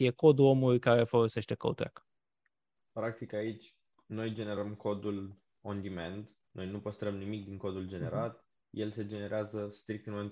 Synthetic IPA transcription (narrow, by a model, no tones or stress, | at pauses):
jeko̞d̪ulo̞mulujkaɾe̞folo̞se̞ʃt̪e̞kə̰ṵt̪uɾa̰k | pɾak̚t̪ikait͡ʃʲ | no̞jd͡ʒe̞ne̞ɾəmkʰo̞d̪ul | ond̪iment̪ | no̞jnupəst̪ɾəmnimik̚d̪iŋko̞d̪uld͡ʒe̞ne̞ɾat̪ | je̞lse̞d͡ʒe̞ne̞ɾeazəst̪ɾik̚t̪ɨnmo